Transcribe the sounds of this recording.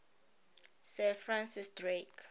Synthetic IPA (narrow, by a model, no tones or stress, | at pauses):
sɛ̃fɹãnsisdrek